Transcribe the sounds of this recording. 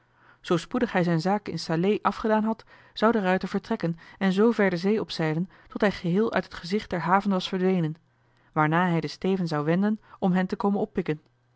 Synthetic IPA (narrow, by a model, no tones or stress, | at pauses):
z̥owspudəχɦɛjzɛjnzaːkəɪ̰nsalejʔɑfχədaːnɦɑt | z̥ɑwdərœɥtəɹv̥əɹtrɛkənɛnzowvɛɹdəzejɔpsɛjdən | tɔtɦɛjχəɦɪːlˠʔœ̰ɥtɦətχəzɪχd̚d̥ɛɹɦaːvənʋɑsfəɹdʋejnən | ʋaːɹnaːɦɛjdəstejvənzɑwʋɛndənɔmɦɛntəkowmənɔpːɪkən